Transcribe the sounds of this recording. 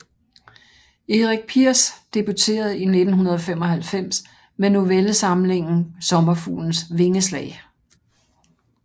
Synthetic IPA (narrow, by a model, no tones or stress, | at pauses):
eʁiɡ̥̚pʰiɐ̰sd̥eb̥ut͡sʰe̝̰ːɐð̞̩ˠine̝d̥n̩hunɐð̞ˠɒ̽fem̰ɒ̽hælfem̰s | meno̝ʋelsɑ̈mle̝ŋ̰n̩sɒ̽mɐfṵːln̩sʋe̝ŋəslɛ̰ːɪ